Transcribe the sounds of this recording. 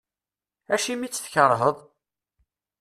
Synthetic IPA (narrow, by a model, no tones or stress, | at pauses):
æʃimit͡sːθçəɾˤɦəðˤ